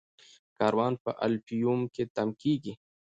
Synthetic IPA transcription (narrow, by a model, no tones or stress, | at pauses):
kɑːɾwɑːnpɐʔɐ̰lpijumket̪ɐmkiːɡi